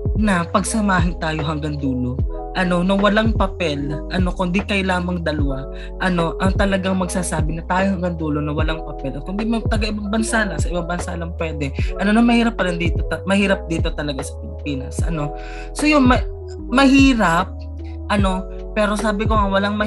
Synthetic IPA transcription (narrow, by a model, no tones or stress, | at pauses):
nɐpɐɡsɐmaːɦɪnt̪aːjo̞ɦɐŋɡɐŋd̪uːlo̞ | ʔɐno̞nɐwɐlaŋpɐpɛlʔɐno̞kʊnd̪ikɐjlaːmɐŋd̪ɐlɐwa | ʔɐno̞ʔɐŋt̪ɐlɐɡaŋmɐɡsaːsaːbɪnɐt̪aːjohɐŋɡaŋd̪uːlo̞nɐwɐlaŋpɐpɛlɐkʊnd̪imɐt̪ɐɡaʔɪbɐŋbɐnsaːlɐsɐʔɪbaŋbɐnsa̰lɐŋpwɛːd̪ɛʔɐno̞nɐmɐhiːɾɐp̚ːɐlɐnd̪iːt̪o̞t̪ɐmɐhiːɾɐp̚d̪iːt̪o̞t̪ɐlɐɡasɐ̥pɪlɪpiːnɐsʔɐ̰no̞ | so̞jʊŋmɐ | mɐhiːɾɐp̚ | ʔɐno̞ | pːɛːɾo̞saːbɪkoʔɐŋwɐlaŋmɐ